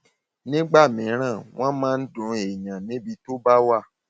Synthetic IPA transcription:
nĩ˦ɡ͡ba˦˨mĩ˨˦ɾ̃ã˦˨w̃ɔ̃˦mãː˦n̩˦dũ˨˦e˨ɲã˨nĩ˨˦bi˧to˦ba˦wa˦˨

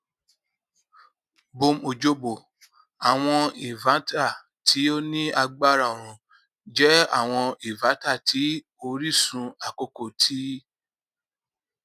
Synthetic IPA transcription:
bo˧mo˨d͡ʒo˧bo˨ | a˨w̃ɔ̃˧i˨vã˨˦ta˦˨ | tʰi˨˦o˦nĩ˦a˧ɡ͡ba˦ɾa˦˨o˨ɾ̃ũ˧ | d͡ʒɛ˦a̰˦˨w̃ɔ̃˧i˨va˨˦ta˦˨tʰi˨˦ | o˧ɾi˦˨sũ˧a˨ko˦ko˦˨tʰi˦

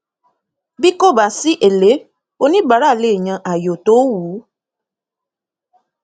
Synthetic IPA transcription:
bi˦ko˦˨ba˨si˦ʔe˨le˨˦ | o˦nĩ˦ɡ͡ba˨ɾa˦˨le˨ɲã˧ʔa˨jo˨to˦wu˨˦

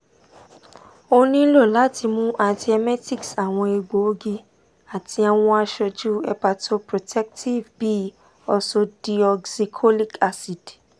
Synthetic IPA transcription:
o˧nĩ˦lo˦˨la˦ti˧mũ˦ʔa˧ti˨ɛ˧mɛ˦ti˦˨ksa˨w̃ɔ̃˧e˧ɡ͡bo˨˦o˦ɡi˧ | a˨tʰi˧a˧w̃ɔ̃˧a˧ʃɔ˧d͡ʒu˦ɛ˧pa˧to˧pɾo˨tʰɛ˦k̚tʰi˦˨vbi˦ | ɔ˧so˧d̥i˧ɔ˧ɡsi˧kʰo˦li˦ka˧si˨d

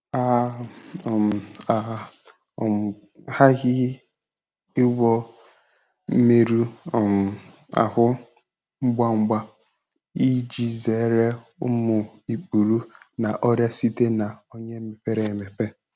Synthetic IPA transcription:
a˦˨ | m˨a˨˦˨ | ha˦ɣɪ˦ | ɪ˦ɡʷɔ˦ | me˦ɾu˦˨m˨ | a̰˨ɦʊ˦ | ŋ͡m̩˦ɡ͡ba˦ŋ͡m̩˦ɡ͡ba˦ | i˦d͡ʒi˨ze˨˦ɾe˦ | ʊ˦mʊ˨i˨k͡pu˨ɾu˦na˨ʔɔ˦ɾja˦si˦te˦na˨o˦ɲe˦me˨pe˦ɾe˨me˨pe˦

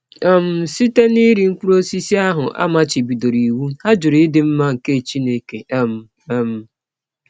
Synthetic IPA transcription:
ɔ˦m̩˨si˦te˦ni˦ɾi˨ŋ̩˦ku˦ɾo˦si˦si˦a˦ɦʊ˨ʔa̰˦ma˦t͡ʃɪ˨bi˨do˨ɾi˨wu˦ha˦d͡ʒʊ˨ɾi˦dɪ˨m̩˦ma˦ŋ̩˨ke˦˨t͡ʃi˦ne˦˨ke˨m̩˨ | m̩˨

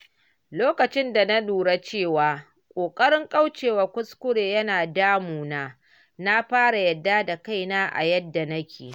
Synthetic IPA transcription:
loː˦kɐ˨t͡ʃɪ˦nda˨na˦ɗuː˨ɽa˦t͡ʃeː˦˨waː˨ | kʷʼoː˨kʼɐ˦ɽɪ˦ŋkʼɐ˦wt͡ʃeː˨wa˨kʷʊ˦skʷʊ˦ɽeː˨jɐ˦naː˨daː˦muː˨naː˦ | na˦ɸaː˦ɽa˨jɐ˨dːaː˦da˨ka˦˨jnaː˦ʔa̰˨jɐ˦dːa˨na˦kʲeː˨

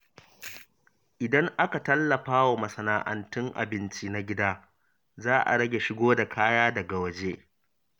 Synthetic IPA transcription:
ʔɪ˨dɐ˦ŋʔa˦ka˨tɐ˦lːɐ˨ɸaː˦wa˨mɐ˨sɐ˨naː˨ʔɐ̰˨ntʊ˦ŋʔa̰˨bɪ˦nt͡ʃi˦na˦ɡʲɪ˦daː˦ | zaː˦ʔa̰˨ɽɐ˦ɡʲe˨ʃɪ˦ɡoː˦da˨kʰaː˦jaː˦dɐ˨ɡa˨wɐ˨d͡ʒeː˦

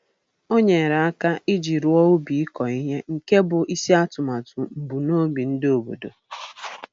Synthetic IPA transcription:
o˦ɲe˨ɾa˨a˦ka˦ʔi˦d͡ʒi˨ɾʊ˨ɔ˦ʊ˦bi˨i˦kɔ˨i˦ɦe˦ŋ̩˨ke˦bʊ˨ʔi˦si˦a˦tʊ˨ma˨tu˨bu˨no˦bi˨n̩˦do˨bo̰˨do̰˨

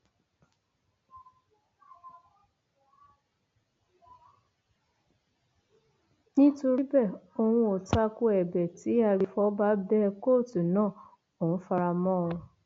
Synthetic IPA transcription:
nĩ˦to˧ɾi˦bɛ˦˨o˧wũ˧o˨ta˧˦ko˧ɛ˨bɛ˨ti˨˦a˧˨ɾi˧fɔ˦ba˦bɛ˦˧ko˦˨tu˨nãː˦˨ | o˨ũ˨˦fa˧ɾa˧mɔ̃˦˨ũ˧

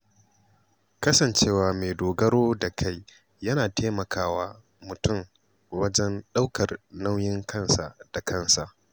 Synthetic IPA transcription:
kɐ˦sɐ˨nt͡ʃeː˦˨waː˨meː˨doː˨ɡɐ˦ɾoː˦da˨kʰa˦j | jɐ˦naː˨tʰeː˦mɐ˨kʰaː˦waː˦ | mʊ˨tʊ˦˨m | wɐ˦d͡ʒɛ˦nɗa˦wkɐ˨rna˦wjɪ˦ŋkɐ˦nsa˨d̥a˨kɐ˦˨nsa˨ʔ

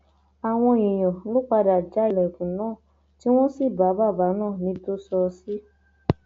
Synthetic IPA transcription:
a˨w̃ɔ̃˧jĩ˨j̃ɔ̃˨lo˦k͡pa˧da˨d͡ʒa˨˦i˨lɛ˨kũ˨nãː˦˨ | ti˦w̃ɔ̃˦si˦˨ba˨˦ba˦˨ba˨˦nãː˦˨nĩ˧˦to˦sɔ˧si˦

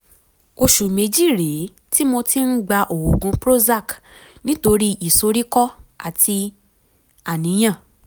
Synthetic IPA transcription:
o˧ʃu˨mẽ˨˦d͡ʒi˦˨ɾe˨˦ | ti˦mo˧ti˦n̩˦ɡ͡ba˧ʔo˨wo˨ɡũ˧˦pɾo˦za˦˨knĩ˦to˧ɾi˦i˨so˧˦ɾi˦kɔ˦a˦˨tʰi˧ | a˨nĩ˨˦j̃ã˦˨

